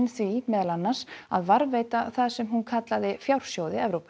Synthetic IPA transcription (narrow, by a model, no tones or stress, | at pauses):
nθvimɛːðalanːaɾ̥saðvaɾveːjt̪aθaðsɛmɦunkʰat̪laðɪfjawɾ̥sjoːwðɪɛvɾowpʏ̥